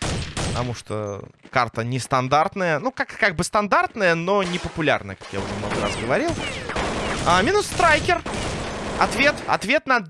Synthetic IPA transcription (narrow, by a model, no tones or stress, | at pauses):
pət̪ɐmuʂt̪o̰kart̪ənʲɪst̪ɐnd̪art̪nəjənukakkaɡ̚bɨst̪ɐnd̪art̪nəjənonʲɪpəpʊlʲa̰rnə̰jəkḁkja̰ʊʐɛmnoɡəɾa̰sɡəvɐɾʲilˠ | amʲinʊsːt̪ɾajkʲɪr | ɐ̰t̪vʲe̞t̪ɐ̰t̪vʲe̞t̪nɐ